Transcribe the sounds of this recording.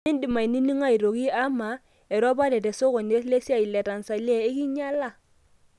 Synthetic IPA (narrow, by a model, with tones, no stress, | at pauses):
i˦ndi˨ma˨i˨ni˦ni˦ŋa˦i˨ɾo˨ki˦a˦ma˨ | ɛ˨ɾɔ˦ba˦dɛ˨tɛ˨so˦kɔ˨ne˦sle˦si˦a˦˨i˨lɛ˨ta˨n˨sa˨li˦e˦˨ɪ˦ki˦ɲa˦la˦˨